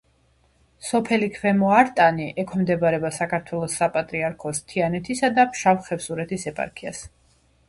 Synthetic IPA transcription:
sɔpʰɛlikʰvɛmɔaɾt̪ʼaniʔɛkʰɔmd̪ɛbaɾɛbasakʰaɾt̪ʰwɛlˠɔsːapʼat̪ʼɾiaɾkʰɔst̪ʰianɛt̪ʰisad̪apʰʃavχɛfsuɾɛt̪ʰisɛpʼa̰ɾkʰia̰s

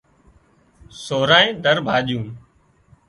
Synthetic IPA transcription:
soːɾãːẽːd̪əɾbʱaːɗjũː

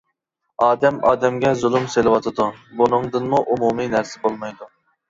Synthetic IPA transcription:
ɑːd̪ɛmɑːd̪ɛmɡʲɛzulˠɨmselɨwɑt̪ʰɨd̪ubunɨŋd̪ɨnmuʔumuminæɾsɪbolˠmɑjd̪u

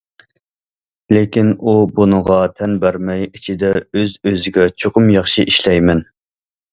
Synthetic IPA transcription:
lekʲinubunɨʁɑt̪ʰɛnbæɾmɛjit͡ʃʰid̪ɛøzøzɪɡʲɛt͡ʃʰoqʊmjɑχʃiʔiʃlɛjmɛn

